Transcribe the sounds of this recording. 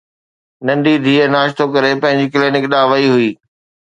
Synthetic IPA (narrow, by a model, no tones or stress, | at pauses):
nɐ̃nd̪id̪ʱiːənaːʃt̪ʰokɐɾepɐ̃ɦɪ̃ɲd͡ʑikleːnɪkɗaːʋɐiɦʊiː